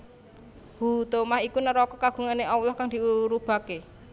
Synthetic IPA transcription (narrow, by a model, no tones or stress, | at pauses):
hut̪omahikunəɾɔkɔkaɡ̥ṳŋaneʔɔwlɔhkaŋd̪̥iuɾub̥a̤ke